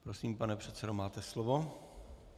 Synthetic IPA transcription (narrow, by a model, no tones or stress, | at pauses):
pɾosiːmpanɛpr̝̥ɛt̪t͡sɛdomaːt̪ɛslovo̞